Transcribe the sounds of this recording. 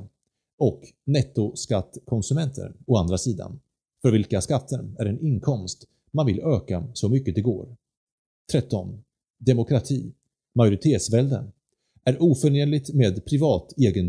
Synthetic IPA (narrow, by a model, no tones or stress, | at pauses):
ɔk | nɛt̪ːʊskat̪ːkʰɔnsɵmɛnt̪ʰə̰ɳɔand̪ɾasiːd̪a̰n | fœɾvɪlkaskat̪ʰːənæɾɛnɪnkʰɔmst̪ | manvɪløːkasɔmʏkːəd̪ɛɡo̰ːɾ | t̪ʰɾɛt̪ːɔn | d̪ɛmʊkʰɾat̪ʰiː | majʊɾɪt̪ʰeːt̪svɛld̪ə̰n | æɾʔuːfœɳeːnlɪt̪meːd̪pʰɾɪvɑːt̪eːɡən